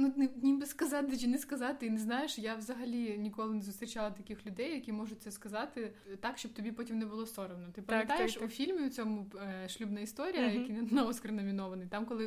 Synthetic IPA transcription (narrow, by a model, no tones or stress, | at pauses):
nunɪnʲimbɪskɐzɑt̪ɪt͡ʃʲinɛskɐzɑt̪ɪinɛznɑjeʃjaʋzɐɦɐlʲinʲikɔlˠɪnɛzʊst̪ɾʲɪt͡ʃalˠɐt̪ɐkʲixlʲʊd̪ɛjːɐkʲimɔʐʊt̪̚ʲsɛskɐzɑt̪ɪt̪ɑkʃt͡ʃɔb̚t̪ɔbʲipɔtʲimnɛbʊlˠɔsɔɾɐwnɔt̪ɪpɐmʲjɐt̪ajeʃʊfʲilʲmʲiʊt͡sʲɔmʊʃlʲubnɐist̪ɔɾʲijɐjɐkkinnɔʋɔskɾɪnɔmʲinɔʋɐnɪjt̪ɑmkɔlˠɪ